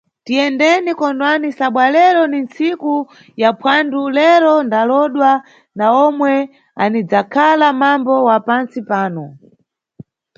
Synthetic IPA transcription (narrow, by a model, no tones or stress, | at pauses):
tijɛndɛnikɔndwanisaɓwalɛɾɔnint͡siku | japʰwandulɛɾɔndalɔɗwa | naɔmwɛ | anid͡zakʰalamambɔwapant͡sipaːnɔ